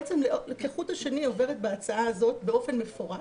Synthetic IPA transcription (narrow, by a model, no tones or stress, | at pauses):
t͡semlelekeχuthaʃenio̞ve̞ʁet̪̚beat͡saaːzo̞tbe̞o̞fe̞nme̞fo̞ʁa